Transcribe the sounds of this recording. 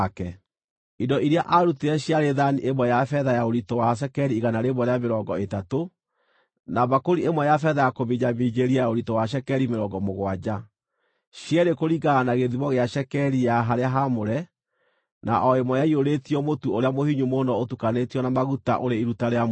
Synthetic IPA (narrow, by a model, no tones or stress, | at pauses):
kɛ | idɔʔiɾeaʔaɾuteɛɕjaɾeðaniʔemwɛjafɛðajaoɾitɔwaʃ̬ɛkɛɾiːɣanaɾeβwɔɾeameɾɔŋɡɔetato | naβakoɾiemwɛjafɛðajakoβiɲamid͡ʑeɾiajaoɾitɔwaʃ̬ɛkɛɾimeɾɔŋɡɔmoɣwad͡ʑa | ɕjɛɾekoɾiɡaːnaɣeðiβɔɣeaʃɛkɛɾijaɦaɾeaɦamoɾɛ | na̰ʔɔemwɔjaioɾetiɔmotuoɾeamohiɲumonɔotukanetiɔnamaɣuta̰ʔoɾeiɾutaɾea